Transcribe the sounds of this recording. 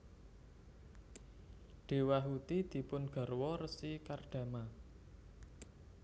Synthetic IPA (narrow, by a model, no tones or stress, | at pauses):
ɖ̪̥e̤waɦut̪id̪̥i̤pʊnɡ̥a̤rwɔrəsikarɖ̥ä̤ma